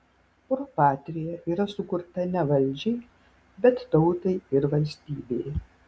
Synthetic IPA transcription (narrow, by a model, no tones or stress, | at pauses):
pʊɾopɑːt̪ʲɾʲɪjɛʔiːɾɐsʊkʊɾt̪ɐnʲɛʋɐlʲd͡ʒʲɛɪ | bʲɛt̪t̪ɐʊt̪ɐɪɪɾʋɐlʲsʲt̪ʲiːbʲej